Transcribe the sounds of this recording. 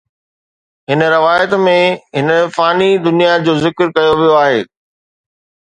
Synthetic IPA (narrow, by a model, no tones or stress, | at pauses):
ɦɪnə̆ɾɐʋaːjət̪mẽɦɪnəfaːnid̪ʊnijad͡ʑoːzɪkɾkɐjoʋijoaːɦeː